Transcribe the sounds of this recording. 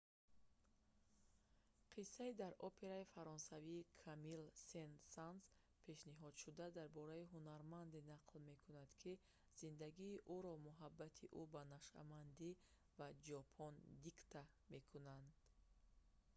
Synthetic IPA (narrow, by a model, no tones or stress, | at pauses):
qʰisːaid̪aɾɔpʰe̞ɾaifaɾɔnsaviːkʰamilsensanz | pʰe̞ʃniɦɔd̪ʃud̪ad̪aɾbɔɾaiɦunaɾmand̪inaqʰlme̞kʰunad̪kʰi | z̥ind̪aɡiːʔuɾɔmuɦabːat̪ʰiʔubanaʃa̰mand̪i | vad͡ʒɔpʰɔnd̪ikt̪ʰa | me̞kʰunand̪̥